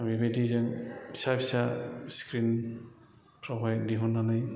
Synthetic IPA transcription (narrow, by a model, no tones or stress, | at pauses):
bibedizɛnbʰi̥sabisaskɾin | pʰɾɔbʱajdiɦunanaj